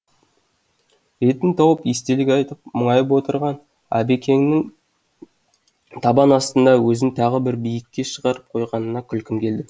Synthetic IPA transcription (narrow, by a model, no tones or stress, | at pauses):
ɾe̞t̪ɪnt̪ʰɑwəpest̪e̞lɪkʲɑjt̪əpməɴɑjəp̬wo̞t̪əɾʁɑn | æ̰be̞kʲʰe̞ŋnɪŋ | t̪ʰɑbɑnɑst̪ənd̪ɑwɵzɪnt̪ʰɑʁəbɪɾbijɪkʲːe̞ʃəʁɑɾəp̚qʰo̞jʁɑnənɑkʲʰʏlkʲɪmkʲʰe̞ld̪ɪ